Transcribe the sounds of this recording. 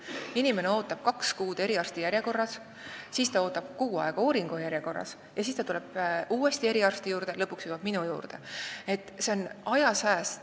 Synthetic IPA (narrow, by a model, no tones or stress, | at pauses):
inime̞ne̞o̞ːt̪ːˑɑb̥̚kɑkskuːd̪̥e̞ɾiɑrst̪ijæɾje̞ko̞rːɑs | siːst̪ɑo̞ːt̪ːˑɑb̥kuɡuɑ̰e̞ɡ̥ɑuːɾiŋɡ̥ujæɾjeko̞rːɑ̰s | jɑsiːst̪ɑt̪ule̞b̥ʔuːe̞st̪ie̞ɾiɑrst̪ijuːɾd̪̥e̞lɤpːˑuksjuːvɑb̥̚minujṵːrd̪̥e̞e̞t̪ːˑse̞o̞nɑjɑsæːs